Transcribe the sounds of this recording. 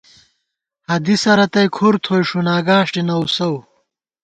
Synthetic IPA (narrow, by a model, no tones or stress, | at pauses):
hɐd̪isɐɾɐt̪ɐjkʰuɾt̪ʰojʂunaːɡaːʂʈinɐwsɐw